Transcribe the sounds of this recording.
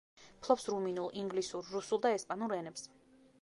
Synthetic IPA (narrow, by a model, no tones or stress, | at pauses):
pʰlˠɔpsɾuminulˠiŋɡlisuɾːusulˠd̪aɛspʼanuɾɛnɛps